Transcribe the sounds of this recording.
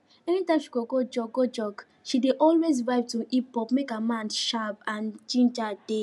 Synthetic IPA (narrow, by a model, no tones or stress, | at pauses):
ɛnitãɪ̃mʃiɡoɡod͡ʒɔɡod͡ʒɔɡ | ʃideʔɔlwezvaɪvtuʔipɔpmekamãnʃabãnd͡ʒĩnd͡ʒade